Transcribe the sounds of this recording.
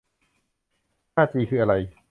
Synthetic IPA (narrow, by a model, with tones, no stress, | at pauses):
naː˥˩t͡ɕiː˧kʰɯː˧ʔa˧ɾa˧j